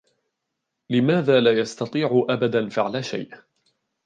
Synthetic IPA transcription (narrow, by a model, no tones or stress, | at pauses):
lɪmaːðaːlaːjast̪ɑt̪ˤiːʕʊʔabad̪anfɪʕlaʃa̰jʔ